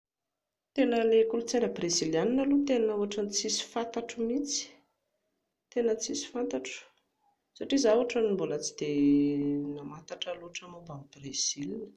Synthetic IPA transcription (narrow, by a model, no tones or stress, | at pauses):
t̪enəlekulut͡sanəbrezilianinalut̪enauaʈ͡ʂant͡sisi̥fant̪aʈ͡ʂumit͡si̥ | t̪enət͡sisi̥fant̪aʈ͡ʂu̥ | saʈ͡ʂizauʈ͡ʂanimbulət͡si̥d̪e | namat̪aʈ͡ʂaluaʈ͡ʂamobamibrez̥ilinə̥